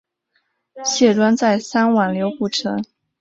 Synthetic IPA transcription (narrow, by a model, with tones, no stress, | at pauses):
ɕjɛ˥˩t̪wa˥nt͡sa˥˩ɪsa˥nwa˨˩nljo˧˥ʊpu˥˩ʈ͡ʂʰɤ˧˥ŋ